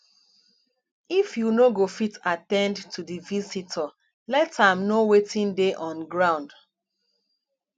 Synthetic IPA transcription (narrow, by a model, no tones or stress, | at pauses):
ifjunoɡofitatɛ̃ndtudivisitʰə | lɛtãmnowetĩndeʔɔ̃nɡɹãʊ̃nd